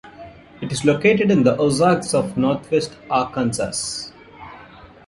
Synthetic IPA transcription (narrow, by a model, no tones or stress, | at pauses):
ɪʈɪzloːkeːʈeɖɪ̃nd̪əʔoːzaːksɔʋnɔːɾt̪ʰʋesʈaːkãnsa̰s